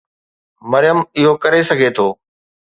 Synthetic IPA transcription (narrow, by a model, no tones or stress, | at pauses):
mɐɾɪjəmɪɦokɐɾesɐɡʱet̪ʰoː